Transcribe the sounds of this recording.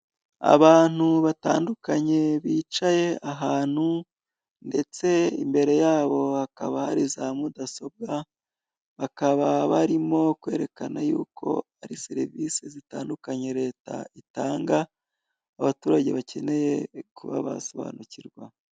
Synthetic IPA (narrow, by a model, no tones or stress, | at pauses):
a̰βaːn̥uβata̰ːndukaɲe̞βiːt͡ʃaje̞aɦaːn̥hu | nde̞t͡se̞ḭmbe̞ɾe̞jaːβo̞hakaβahaɾizamudaso̞b̚ɡa | βakaβaβaɾimo̞kwe̞ːɾe̞kanajṵːkʰo̞̰aɾiseɾivisezitaːndukaɲe̞ɾe̞ːta̰itaːŋɡaː | βatuːɾaɟe̞βace̞ne̞je̞kuβa̰βa̰so̞βa̰ːnuciɾɡwa